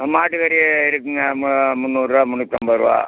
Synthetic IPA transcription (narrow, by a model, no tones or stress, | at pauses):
maːʈːɯɣɐɾijɪɾɯkːɯŋɡɐmmʊnːuːrɾaːmʊnːɯt̪ːɐmbɐɾɯʋa̰ː